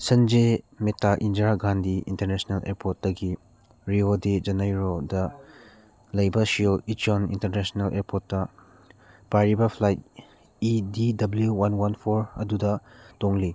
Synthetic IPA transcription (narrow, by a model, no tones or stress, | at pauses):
sɐnd͡ʒe | metaʔindɾaɡandiḭntɐɾnesnalʔḛɾpʰot̚dɐɡi | ɾioded͡ʒɐnajɾodɐ | lɐjbɐsioit͡ʃionḭntɐɾnesnelʔeɾpotːɐ | paɾibɐpʰlajt̚ | ididɐbljuwanwanpʰoɾɐdudɐtoŋli